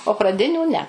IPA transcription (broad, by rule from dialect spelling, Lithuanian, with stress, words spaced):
oː prɐˈdʲɪnʲuː nʲɛ